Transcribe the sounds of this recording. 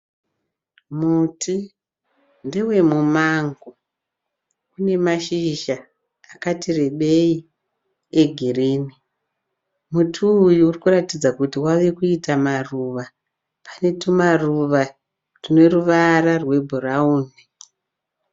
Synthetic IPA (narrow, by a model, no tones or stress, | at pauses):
mutʰi | ndewe̞mumaŋɡo | une̞maʃiʒaː | katireɓe̞i | eɡʱireːni | mutʰiːjuːrikuratid͡zakutiwaʋe̞kuitamaruʋa | pane̞tumaruʋa | rine̞ɾuʋararwe̞bʱurauːni